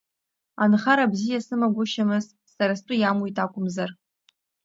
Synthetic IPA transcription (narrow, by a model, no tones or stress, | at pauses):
anχaɾabzijasɨmaɡʷʊʃamɨz | saɾastʷʼʊjamwitʰʼakʷʼʊmzar